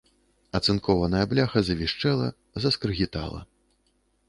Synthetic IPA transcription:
ɐt̪sɨnkʰɔvɐnɐjɐblʲaxɐzɐvʲiʂt͡ʂɛlˠɐ̰ | zɐskɾɨɣʲit̪a̰lˠɐ̰

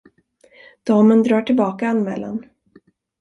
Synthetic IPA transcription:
d̪̥ɑːmənd̪ɾɑːʈʰɪlbɑːkaanmɛ̰ːla̰n

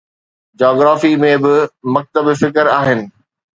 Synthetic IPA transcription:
d͡ʑɔːɡɾaːfimẽbɪmɐk̚t̪əbfɪkəɾaːɦɪnɪ̆

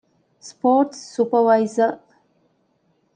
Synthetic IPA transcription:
spoːʈsːupəʋaɪzə

